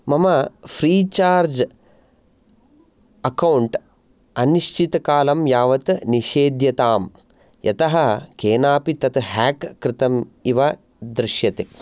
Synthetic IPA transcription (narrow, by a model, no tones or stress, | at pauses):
mɐmɐfʰɾiːt͡ʃaːɾd͡ʒ | ɐkɐwɳʈ | ɐniʃt͡ʃit̪ɐkaːlɐmjaːʋɐt̪niʃeːd̪jɐt̪aːm | jɐt̪ɐɦɐkeːnaːpit̪ɐt̪ɦaːkːɾɪt̪ɐmiʋɐ | d̪ɾɪʃjɐt̪e